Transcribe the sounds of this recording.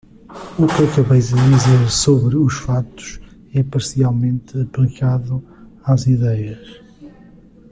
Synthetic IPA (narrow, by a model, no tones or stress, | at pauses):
ukɐkɐβɐjzɨðizeɾsoβɾɨuʃfat̪u̥ʃ | ɛpɐɾsialˠmẽnt̪ɨɐplˠikaðu | aziðɛjɐʃ